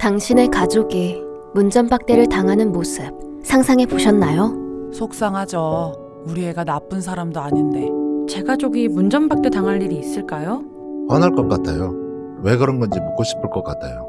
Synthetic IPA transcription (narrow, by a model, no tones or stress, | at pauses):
taŋɕʰine̞kad͡ʑoɡi | mund͡ʑʌnbak̚t͈eɾɯɭtaŋɦanɯnmos͈ʰɯp̚ | sʰaŋsʰaŋe̞poɕʰʌnːajosʰok̚s͈aŋɦad͡ʑʌ | uɾie̞ɡanap͈ɯnsʰaɾamdoaɲinde̞t͡ɕe̞ɡad͡ʑoɡimund͡ʑʌnbak̚t͈e̞taŋɦaɭːiɾiːs͈ɯɭk͈ajo | wanɦaɭk͈ʌk͈atʰajo | we̞ɡɯɾʌnɡʌnd͡ʑimok͈oɕʰi̥pʰɯɭk͈ʌk͈atʰajo